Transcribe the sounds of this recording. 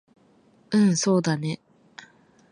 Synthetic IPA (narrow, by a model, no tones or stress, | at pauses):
ɯ̟̃ɴso̞ːd̪ane̞